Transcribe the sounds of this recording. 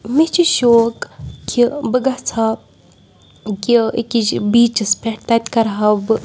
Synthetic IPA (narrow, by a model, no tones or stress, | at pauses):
mit͡ʃiʃoːkkʰibəɡat͡sʰa | kiḛkit͡ʃbiːt͡ʃɨspʲeʈt̪ɐt̪ʲkɐɾɦɐbɨ